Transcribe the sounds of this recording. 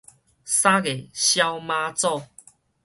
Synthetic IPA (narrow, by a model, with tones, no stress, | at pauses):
sã˦ɡe˨ɕja˦wmã˧t͡sɔ˥˧˨